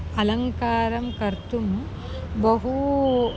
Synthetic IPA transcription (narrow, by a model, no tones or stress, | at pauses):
ɐlɐŋkaːɾɐmkɐɾt̪um | bɐɦu